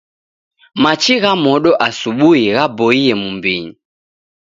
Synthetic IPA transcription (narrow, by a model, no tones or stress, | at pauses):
mat͡ʃiɣamɔɗɔʔasuɓuiɣabɔiɛmumbiɲi